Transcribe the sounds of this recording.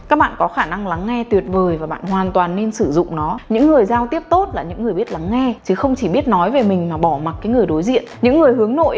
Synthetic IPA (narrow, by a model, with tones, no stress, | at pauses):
kaː˦˥k̚ɓa̰ː˧˨nkɔ˨˦xaː˧˩na˧ŋla˨˦ŋːɛ˧t̪wi˨˩ət̚vəː˨˩jvaː˨˩ɓa̰ː˧˨nhwaː˨˩nt̪waː˨˩nːe˧nsɨ˧˩zʊ̰˧˨ŋ͡mnɔ˨˦ɲɨ̰˧˥ŋːɨ˨˩əjzaː˧wt̪i˦˥əp̚t̪o˦˥t̚laː˨˩ɲɨ̰˧˥ŋɨ˨˩əjɓi˦˥ət̚la˨˦ŋːɛ˧t͡ɕɨ˨˦xə˧wŋ͡mt͡ɕi˧˩ɓi˦˥ət̚nɔ˨˦jve˨˩mï˨˩ŋ̟maː˨˩ɓɔ˧˩ma˨˩t̚kaː˨˦jŋɨ˨˩əjɗo˨˦jzḭ˧˨ənɲɨ̰˧˥ŋːɨ˨˩əjhɨ˨˦əŋno̰˧˨j